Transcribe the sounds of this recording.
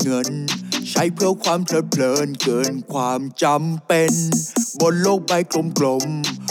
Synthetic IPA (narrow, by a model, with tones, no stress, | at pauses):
ŋɤ˧˥nt͡ɕʰa˦˧˥jpʰɯ˥˩ɐkʰwaː˧mpʰlɤː˨˦˥pʰlɤː˨˧˥nkɤː˨˩nkʰwaː˧mt͡ɕa˧mpe˧nbo˧nloː˥˩k̚pa˧jklo˧˥mklo˧˥˩m